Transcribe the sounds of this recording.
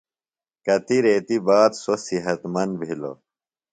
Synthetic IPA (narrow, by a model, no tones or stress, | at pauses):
kɐt̪iɾeːt̪ibaːt̪sosiɦɐt̪mɐnbʱilo̰